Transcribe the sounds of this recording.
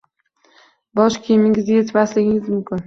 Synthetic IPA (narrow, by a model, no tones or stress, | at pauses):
bɒʃkʲʰejmɪŋʲɪzjet̪ʰmaslɪɡʲɪŋɪzmʊmkʲʰɪn